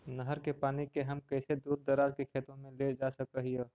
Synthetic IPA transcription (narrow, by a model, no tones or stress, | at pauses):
nəɦəɾkepaːnikeɦəmkəɪsed̪uːɾd̪əɾaːd͡ʒkekʰeːt̪ɾõmẽled͡ʒasəkɾəɦioː